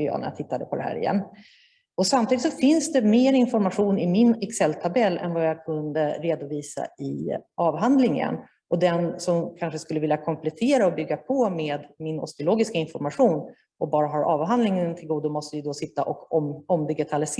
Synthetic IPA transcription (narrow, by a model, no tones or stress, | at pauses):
jɑ̰ːnæ̰ɾja̰t̪ʰɪt̪ːad̪əpʰɔd̪ɛɦæ̰ːɾɪ̰jɛ̰nː | ɔsamt̪id̪ɪt̪sɔfɪnsd̪ɛmeːɾɪnfɔɾmaɧuːnɪmɪnɛksɛlːt̪ʰabɛlːɛ̰nvajakʰɵnd̪əɾeːd̪ʊviːsa̰ɪʔɑːvɦand̪lɪŋə̰n | ʔɔd̪ɛnsɔmkʰanʂəskɵlːəvɪljakʰɔmpʰlɛt̪ʰeːɾaɔbʏɡːapʰɔmeːd̪mɪnɔ̰st̪ɪʊloːɡɪskaɪnfɔɾmaɧuːn | ʔɔbɑːɾaɦɑɾʔɑːvɦand̪lɪŋənt̪ʰɪlɡuːd̪ʊmɔst̪əjəd̪ɔsɪt̪ːaʔɔkɔmɔmd̪ɪɡɪt̪ʰalɪs